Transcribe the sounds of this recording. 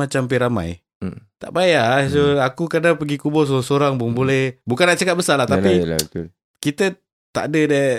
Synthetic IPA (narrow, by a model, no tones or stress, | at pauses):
at͡ʃampiɾama̰j | t̪a̰ʔbajasoakukədapəɡikubɔs̬osoɾaŋboŋbolɛhbukanːaʔt͡ʃəkat̪̚bəsarlaht̪appḭət̪l | kit̪ə | t̪a̰ʔdəda